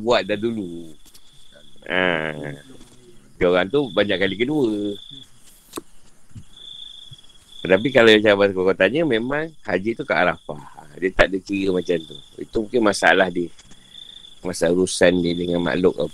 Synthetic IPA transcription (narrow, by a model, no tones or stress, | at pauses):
buat̪̚dadulu | a | toɣaŋt̪ubaɲaʔkːalikəduə | t̪ət̪ap̬ikalawjaŋt͡ʃaabakakat̪aɲəmemãŋhad͡ʒit̪ukaʔaɾafa̰diət̪aʔdikiɾəmat͡ʃamt̪uḭt̪umũŋkɪnmasaalahdəh | masaɾusandiədəŋanma̰ʔlʊka̰